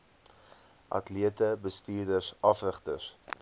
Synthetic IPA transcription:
ʔɐ̰tliətəbəstiːrdəsɐfrəχtəs

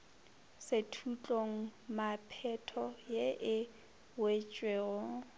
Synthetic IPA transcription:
setʰut͡ɬʼoŋ̩mapʰɛtʰɔjeʔɪ | wet͡ʃʼweːɣɔ

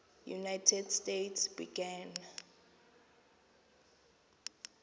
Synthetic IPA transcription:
jṵnajtʰɛdstetʰsb̥ḭɡɛn

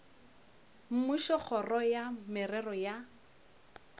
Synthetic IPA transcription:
m̩miʃɔk͡xʰɔrɔjamɪrɛrɔja

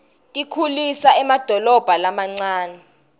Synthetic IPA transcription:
tʼikʰulisaɛmad̥ʱɔlɔb̥ʱalamaŋ͡ǀaːnɛ

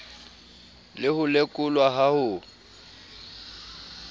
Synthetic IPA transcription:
lɪhʊlekʼʊlwaɦahʊ

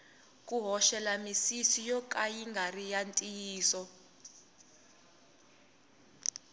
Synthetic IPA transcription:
k̬ʼuɦɔʃɛlamisisijɔkʼajiŋɡʱarijantʼijiːsɔ

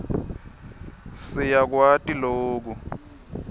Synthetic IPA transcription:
sɪjak̬watʼiloːk̬u

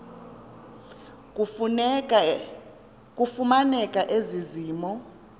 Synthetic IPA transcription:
kʼufumanɛkʼaʔeziziːmɔ

